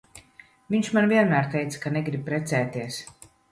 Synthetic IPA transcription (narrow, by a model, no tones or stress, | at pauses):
viɲʃmanviɛnmæːɾt̪ɛjt̪sḁkaneɡɾib̚pɾɛt̪sɛːt̪iɛs